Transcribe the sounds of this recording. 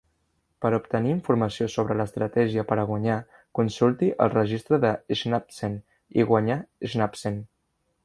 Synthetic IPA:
pəɾupt̪əniːɱfuɾməsiosoβɾələst̪ɾət̪ɛʒiəpəɾəɣwəɲa | kunsulˠt̪iʔə̰lˠrəʒist̪ɾəðəiznap̚sen | ḭɣwəɲaiznapsen

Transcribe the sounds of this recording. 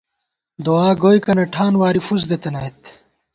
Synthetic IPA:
d̪oaːɡoːjkɐnɐʈʰaːnwaːɾifuzd̪et̪ɐnaːjt̪

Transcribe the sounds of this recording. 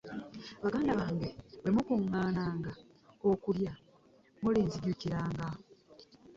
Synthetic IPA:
aβaɡaːndaβaːŋɡe̞βemukuŋːaːnaːŋɡa | okulja | muliːnzidjuciɾaːŋɡa

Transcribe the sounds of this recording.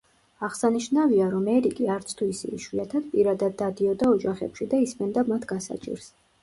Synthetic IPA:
aʁsaniʃnaviaɾɔmɛɾikʼiaɾt̪sʰt̪ʰuisḭʃwiat̪ʰad̪̥pʼiɾad̪ad̪ːad̪iɔd̪aɔd͡ʒaχɛ̰pʃid̪aismɛnd̪amat̪ʰɡasa̰t͡ʃʼḭɾs

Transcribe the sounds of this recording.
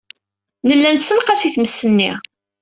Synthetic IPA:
nəlːænsənqɑsiθməsːənːḭ

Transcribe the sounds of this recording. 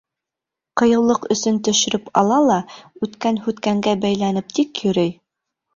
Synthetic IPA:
qɤ̆jɤ̆wlˠɤqɵ̆sɵnt̪ɵ̆ʃɘ̆ɾɘpɑ̰lˠɑlˠɑʉt̪kænhʉt̪kæŋɡæbæjlænɘp̚t̪ikjɵ̆ɾɘj

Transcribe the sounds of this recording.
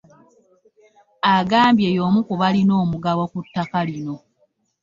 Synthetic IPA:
aɡaːmbjejo̞mukuβalino̞ːmuɡawokutːakalino̞

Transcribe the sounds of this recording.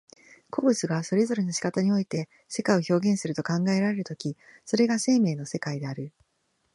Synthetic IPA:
kʰo̞ːbɯ̟t͡sɨɡaso̞ɾe̞zo̞ɾe̞noɕi̥kat̪aɲ̟io̞it̪e̞ | se̞kaio̞ço̞ːɡẽ̞ɰ̃sɨɾɯ̟t̪o̞kãŋɡae̞ɾaɾe̞ɾɯ̟t̪o̞̥kʲiso̞ɾe̞ɡase̞ːme̞ːno̞se̞kaid̪e̞aɾɯ̟

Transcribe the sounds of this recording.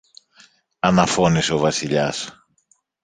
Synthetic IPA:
ɐnɐfo̞niseo̞vɐsiʎɐs

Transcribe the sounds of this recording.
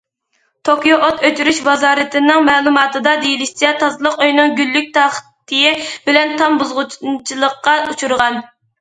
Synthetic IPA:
t̪ʰokjoʔot̪øt͡ʃyɾyʃbɑzɑːɾɨt̪ʰɪnɪŋmɛːlˠumɑːt̪ʰɨd̪ɑd̪ejilɪʃt͡ʃʰɛt̪ʰɑzlˠəqøjnɨŋɡʲylːyk̚ʲt̪ʰɑχt̪ʰɨjɪbɪlɛnt̪ʰɑmbuzʁʊt͡ʃt͡ʃʰilˠəqːɑut͡ʃʰuɾʁɑn

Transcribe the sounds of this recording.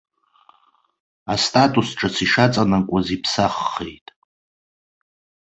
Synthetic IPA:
astʼatʼusʈ͡ʂʼasiʂat͡sʼanakʷʼazipʰsaχːḛjtʼ

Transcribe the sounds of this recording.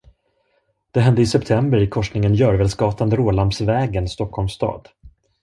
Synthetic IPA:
d̪̥ɛɦɛnd̪əɪsɛpt̪ʰɛmbəɾɪkʰɔʂnɪŋənjœːɾvɛːlskɑːt̪and̪əɾoːlampsvɛːɡənst̪ɔkʰːhɔlmst̪ɑ̰ːd̪

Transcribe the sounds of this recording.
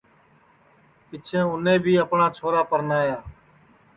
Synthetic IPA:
kɪt͡ʃʰẽːʊnẽːbʱiːəpnaːt͡ʃʰoːɾaːpəɾnaːjaː

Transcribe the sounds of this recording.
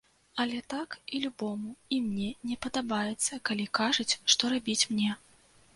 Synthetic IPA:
ɐlʲɛt̪akilʲubɔmuimnʲɛnʲɛpɐd̪abajɛt̪sːɐkalʲikaʐɐt͡sʲʂt̪ɔɾabʲit͡sʲmnʲɛ

